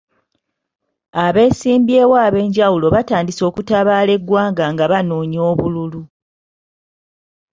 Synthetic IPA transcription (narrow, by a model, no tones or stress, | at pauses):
aβe̞ːsiːmbje̞ːwaːβe̞ːɲɟawulo̞βataːndiso̞ːkutaβaːle̞ɡwaːŋɡaŋɡaβanoːɲo̞ːβululu